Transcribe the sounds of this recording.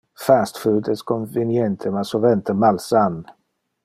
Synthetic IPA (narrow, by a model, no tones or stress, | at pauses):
fæst̪fʉːd̪əskʰɔnvɪnjɛnt̪ʰəmasɔvɛnt̪ʰəmalsan